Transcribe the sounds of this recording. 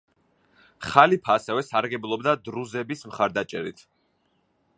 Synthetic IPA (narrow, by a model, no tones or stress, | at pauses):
χalipʰaːsɛvɛsaɾɡɛblˠɔbd̪ad̪ɾuzɛbismχaɾd̪at͡ʃʼɛ̰ɾḭt̪ʰ